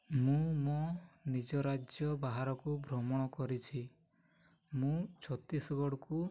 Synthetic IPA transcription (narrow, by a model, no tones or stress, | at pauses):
mũmɔnid͡ʒɔɾad͡ʒjɔbaɦaɾɔkubʱɾɔmɔɽ̃ɔkɔɾit͡ʃʰi | mũt͡ʃʰɔt̪isɔɡɔɽɔku